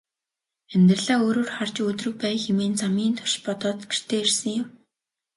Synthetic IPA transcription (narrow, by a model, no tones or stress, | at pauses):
æmʲt̪rə̆ɮaːoːɾoːrχar̥t͡ɕɵt̪rɵ̆k̚pæːjxemeːnt͡samiːnt̪ʰʊ̥ʃpɔt̪ɔːt̪ɡer̥t̪ʰeːersə̆ŋjʊm